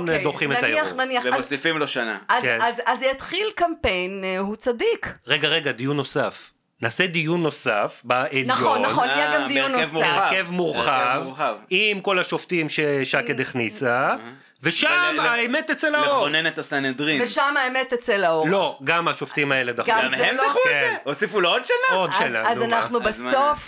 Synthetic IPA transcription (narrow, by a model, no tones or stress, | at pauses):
ndoχimetajaiaχnaniaeosifimloʃana̰azkenazazjat̪χilkampe̞jnhut͡sad̪ikʁeɡaʁeɡad̪ijunːo̞saf | naːsed̪ijunːo̞safbaʔelnajoonːaχonijɛɡamd̪ijunːosmʁkevmuʁχavavimko̞laʃoft̪imʃeʃaked̪eχnisa | ve̞ʃamaemet̪et͡selaoonenet̪asaned̪ʁimveʃamaemet̪et͡selaolo̞ɡamaʃoft̪imae̞led̪aχɡaeaukːeeosifulood̪ʃalaod̪ʃela̰azanaχnubesof